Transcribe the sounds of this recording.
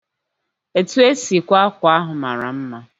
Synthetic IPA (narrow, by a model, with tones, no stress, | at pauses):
e˨tu˦e˦si˨kʷa˦kʷa˦ɦʊ˨ma̰˨ɾa̰˨m̩˦ma˦